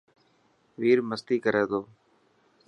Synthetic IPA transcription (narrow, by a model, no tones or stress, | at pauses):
ʋiːɾməst̪iːkəɾeːt̪ʰoː